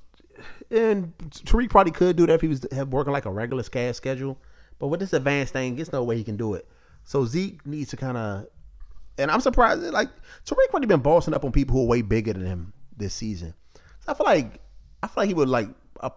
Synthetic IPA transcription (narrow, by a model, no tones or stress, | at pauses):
ɨ̃ntʰəɹik̚ʰɹ̥ɑbəlikʰɨdɨðɨɾfhiwʌzɨwɜ˞kɪ̃ŋlaɪkəɹɛɡjl̩ˠə˞skæ̥skɛd͡ʒl̩ˠb̥ʌt̚wəðɪsɨdvæ̃nsθɪ̃ŋɨtsnoʊweɪhikɨ̃ndəɪt̚ | soʊzik̚nidz̥tʰɨkʰãɪ̃ndə | ɨ̃ñãɪ̃msə˞pʰɹ̥aɪzlaɪk̚tʰəɹikʰɹɪlibɨ̃nbɔsə̃nʌpn̩pipl̩ˠhuəweɪbɪɡə˞ðɨ̃nɨ̃mðɪsizɨ̰̃n | soaɪfilaɪk | aɪfilaɪk̚hiwədˡlaɪk̚ə̰